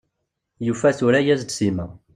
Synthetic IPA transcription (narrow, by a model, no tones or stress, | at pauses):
jufæθuɾæjæzd̪simæ